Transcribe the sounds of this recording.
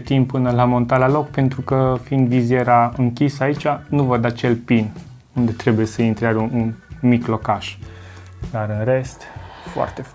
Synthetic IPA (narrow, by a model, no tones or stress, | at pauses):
t̪impːɨnəlamo̞nt̪alalo̞kpe̞nt̪ɾukəfind̪vizjeɾaɨŋkʲisəait͡ʃanuvəd̪at͡ʃe̞lpin | und̪e̞t̪ɾe̞buje̞səint̪ɾeaɾunmiklo̞kaʃ | d̪aɾɨnre̞st̪foa̰rt̪ef